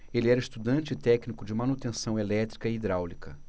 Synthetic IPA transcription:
elɪɛɾɐist̪ud̪ɐ̃nt͡ʃɪt̪ɛknikʊd͡ʒɪmɐnut̪ẽsɐ̃w̃elɛt̪ɾikɐiid̪ɾawlikɐ

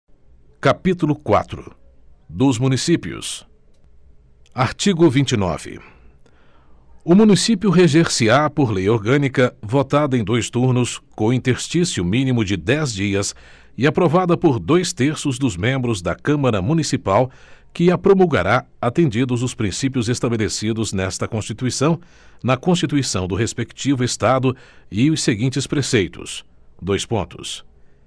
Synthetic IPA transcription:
kapit̪ulʊkwa̰t̪ɾʊ̰ | d̪ʊzmũnisipjʊ̰s | aɾt͡ʃiɡʊvĩnt͡ʃɪnɔ̰v̥ɪ̰ | ʊmũnisipjʊɦeʒeɾsiɾapoɾlejoɾɡɐ̃nikɐvot̪ad̪ɐẽj̃d̪ojst̪uɾnʊskõĩnt̪eɾst͡ʃisiʊmĩnimʊd͡ʒɪd̪ɛzd͡ʒiɐs | ɪapɾovad̪ɐpoɾd̪ojst̪eɾsʊzd̪ʊzmẽmbɾʊzd̪ɐkɐ̃mɐɾɐmũnisipawkɪapɾomuwɡa̰ɾaat̪ẽnd͡ʒid̪ʊzʊspɾĩsipjʊzest̪abelesid̪ʊznɛst̪ɐkõst͡ʃit̪uisɐ̃w̃ | nɐkõst͡ʃit̪uisɐ̃w̃d̪ʊɦespekt͡ʃivʊest̪ad̪ʊɪʊseɡĩnt͡ʃɪspɾesejt̪ʊ̰sd̪ojspõnt̪ʊ̥s

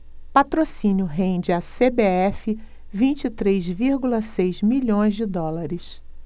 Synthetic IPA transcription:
pat̪ɾosĩnjʊɦẽd͡ʒɪasebeɛfɪ | vĩnt͡ʃit̪ɾezviɾɡulɐsejzmiʎõj̃zd͡ʒɪd̪ɔlaɾɪs

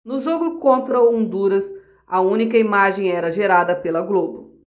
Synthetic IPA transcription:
nʊʒoɡʊkõnt̪ɾɐõnd̪uɾɐs | ɐũnikɐimaʒẽj̃ɛɾɐʒeɾad̪ɐpelɐɡlobʊ

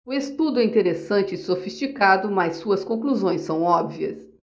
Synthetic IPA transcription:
ʊest̪ud̪ʊɛĩt̪eɾesɐ̃nt͡ʃɪːsofist͡ʃikad̪ʊmɐsːuɐskõkluzõj̃sːɐ̃w̃ɔbviɐ̰s

